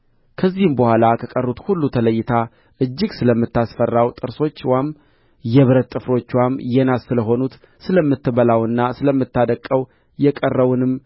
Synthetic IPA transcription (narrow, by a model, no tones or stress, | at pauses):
kʰəzːihɨmbəhʷalakʰəkʼərːut̪hulːut̪ʰələjːɪt̪ʰa | ʔɨd͡ʒːɪɡsɨləmːɨt̪ːasfərːawt̪ʼɨɾso̞t͡ʃːwam | jɛβɨɾət̪ʼːɨfɾo̞t͡ʃːwamjɛnassɨləɦo̞nut̪ | sɨləmːɨt̪ːɨβəlawɨnːasɨləmːɨt̪ːad̪əkʼːəw | jɛkʼərːəwunɨm